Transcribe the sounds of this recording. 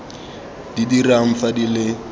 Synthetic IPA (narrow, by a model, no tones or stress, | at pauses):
d̥idiraŋ̩fadilɪ